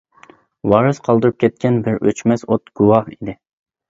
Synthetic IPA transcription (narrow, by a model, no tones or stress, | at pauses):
wɑːɾɨsqʰɑlˠd̪ɨɾup̚kʲʰɛt̪̚kʲɛnbɪɾøt͡ʃmɛsot̪ɡ̥uwɑhid̪ɪ